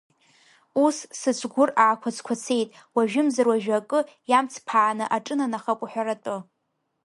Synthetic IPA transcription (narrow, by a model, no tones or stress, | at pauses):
ussɨt͡ʃʷʰɡʷʊraːkʷʰat͡sʰkʷʰat͡sʰe̞jtʼ | waʒᶣɪmzarwaʒᶣakʼɨ | jamt͡sʰpʰaːnɨʔaʈ͡ʂʼɨnanaχakʷʼħʷᶣaɾatʼɨ